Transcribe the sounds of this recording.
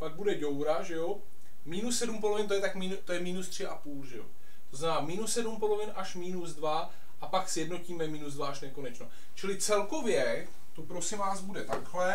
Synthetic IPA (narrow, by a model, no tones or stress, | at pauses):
paɡ̚budɛɟo̞wɾaʒɛjo | miːnusːɛdump̬olo̞vɪnt̪ojɛt̪akmit̪ojɛmiːnust̪r̝̥ɪʔapuːlʒɛ̰jo̞̰ | t̪oznamɛnaːmiːnusːɛdumpo̞lovɪnʔaʃmiːnuzdva | ʔapaksjɛdno̞ciːmɛmiːnuzdvaʔaʃnɛko̞nɛt͡ʃno | t͡ʃɪlɪt͡sɛlko̞vjɛ | t̪opɾo̞sɪmvaːzbudɛt̪akɦlɛ